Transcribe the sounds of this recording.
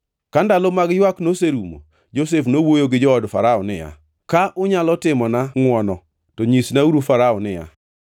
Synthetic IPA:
kandalomaɡjwaknoseɾumo̰ | d͡ʒos̬efnowojoɡɪd͡ʒɔɔdfaɾaɔnɪ̰ja̰ | kaʔʊɲalɔtɪmɔnaŋwɔnɔ | tɔɲisnauɾufaɾaɔnɪja̰

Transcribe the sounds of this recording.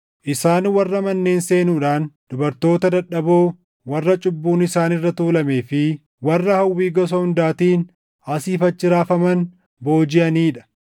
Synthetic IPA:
ʔɪsaːnwɐrːɐmɐnːe̞ːnse̞ːnuːᶑaːnd̪̥ʊbɐɾt̪o̞ːt̪ɐd̪ɐᶑɐboː | wɐrːɐt͡ʃʼʊbːuːnɪsaːnɪrːɐt̪uːlɐme̞ːfɪ | wɐrːɐhɐwːiːɡɔs̬ɐhʊnd̪aːt̪iːn | ɐsiːfɐt͡ʃːɪɾaːfɐmɐn | bo̞ːd͡ʒɪʔɐniːᶑɐ̥

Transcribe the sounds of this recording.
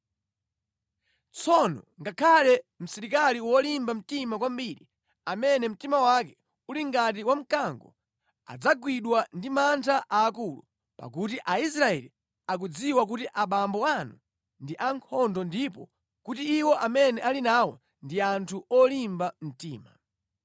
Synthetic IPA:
t͡sʰɔnɔ̰ŋɡakʰalɛm̩sɛɾikaliwɔlimbam̩timakwambiɾi | amɛnɛm̩timawak̬ɛ | uliŋɡat̬iwam̩kaŋɡɔ̰ | a̰d͡zaɡwiɗwandimantʰaʔaːkulṵ | pa̰kut̬iʔais̬ɾaɛli | ak̬ud͡ziwak̬utiʔaɓambɔanu | ndiʔaŋkʰɔndɔndipɔ̰ | kutiːwɔʔamɛnɛʔalinawɔ | ndiantʰuʔɔlimbam̩tiːma

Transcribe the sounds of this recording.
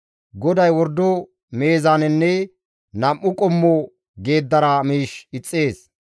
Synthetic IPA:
ɡɔd̪ɐjwɔɾd̪ːɔ | me̞ːzanɛnːɛ | nɐmːʊkʼɔmːɔ | ɡe̞ːd̪ːɐɾamiːʃɪt͡sʼːe̞ːs

